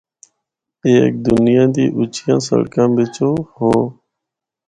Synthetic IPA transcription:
ek̚d̪ʊnɪjãːd̪iːʔʊt͡ʃʰɪjãːsə̰ɭkãːbɪt͡ʃoːhõː

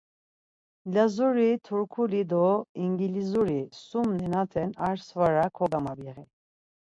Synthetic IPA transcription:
lazuɾit̪ʰuɾkʰulid̪ɔiŋɡilizuɾisumnɛnat̪ʰɛnaɾsvaɾakʰɔɡamabiʁi

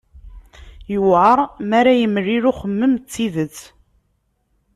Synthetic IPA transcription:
jəwʕəɾˤmæɾajəmərːiɾuχəmːəmt͡sːiðət͡sː

